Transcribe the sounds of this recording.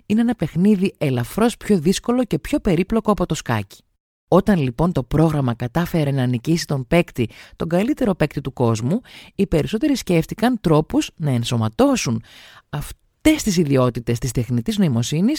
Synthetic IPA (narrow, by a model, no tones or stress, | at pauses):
ine̞enɐpe̞xniðie̞lɐfɾo̞spço̞ðisko̞lo̞ce̞pço̞pe̞ɾiploko̞ɐpo̞t̪o̞skɐ̰ci̥ | o̞t̪ɐnlipo̞nt̪o̞pɾo̞ɣɾɐmɐkɐt̪ɐfe̞ɾe̞nɐːnicisit̪o̞mpe̞kt̪it̪o̞ŋɡɐlit̪e̞ɾo̞pe̞kt̪it̪uko̞zmuipe̞ɾiso̞t̪e̞ɾisce̞ft̪ikɐnt̪ɾo̞puznɐe̞nso̞mɐt̪o̞sunɐf | t̪e̞st̪isiðio̞t̪it̪e̞st̪ist̪e̞xnit̪izno̞imo̞sinis